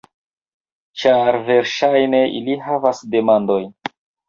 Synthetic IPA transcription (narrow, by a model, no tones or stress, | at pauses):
t͡ʃaɾve̞ɾʃajne̞ḭliɦavasde̞mando̞j